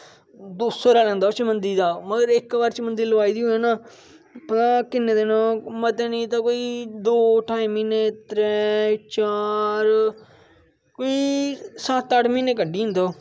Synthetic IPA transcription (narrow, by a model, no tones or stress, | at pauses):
d̪uːsoɾaːlɛ̃ːnd̪aːoːt͡ʃəmənd̪iːd̪aːməɡəɾɪkʋaɾt͡ʃmənd̪iːləʋaːiːd̪iːɦʊẽːnaː | pət̪ãːkɪneːd̪eːnõːmət̪eːnĩːt̪ãːkoːiːd̪oːʈaːiːmiːneːt̪ɾɛːt͡ʃaːɾ | koːiːsat̪ːəʈmĩːneːk̬əɖiːɦɪ̃nd̪aː